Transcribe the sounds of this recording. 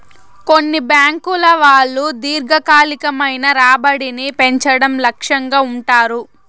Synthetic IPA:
ko̞nːibjaːŋkulɐʋaːɭːud̪iːɾɡɐkaːlikɐmɐjnɐɾaːbɐɽinipe̞ɲt͡ʃɐɽɐmlɐkʂɐŋɡaːuɳʈaːɾu

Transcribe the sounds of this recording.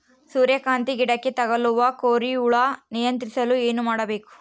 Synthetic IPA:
suːɾjɐkaːnt̪iɡiɽɐkːet̪ɐɡɐluʋɐkoːɾiuɭɐnijɐnt̪ɾisɐlue̞ːnumaːɽɐbe̞ːku̥

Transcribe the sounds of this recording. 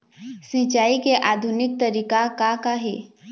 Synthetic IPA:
sĩt͡ʃaːikeʔaːd̪ʱʊnɪk̚t̪ɐɾiːkakakaɦḛː

